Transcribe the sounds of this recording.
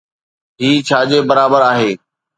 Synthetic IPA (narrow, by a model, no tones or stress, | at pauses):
ɦiːt͡ɕʰaːd͡ʑebəɾaːbəɾaːɦeː